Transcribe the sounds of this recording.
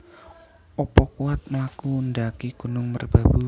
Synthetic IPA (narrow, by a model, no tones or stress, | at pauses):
ʔɔpɔkuwat̪̚mlakundakiɡ̥ṳnʊŋmərb̥a̤b̥u